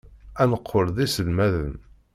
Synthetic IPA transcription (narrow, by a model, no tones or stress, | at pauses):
ænəqʰːoɾðisəlmæðən